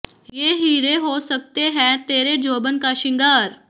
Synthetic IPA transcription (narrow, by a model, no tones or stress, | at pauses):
jeːɦiːɾeɦoːsək̚t̪eɦɛ̃t̪eːɾed͡ʒoːbənkaʃɪ̃ŋɡaːɾ